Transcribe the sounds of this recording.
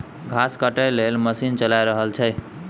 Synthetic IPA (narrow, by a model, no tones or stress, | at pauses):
ɡʱaskəʈəjlelməsint͡ʃəlajɾəɦəlt͡ʃʰəj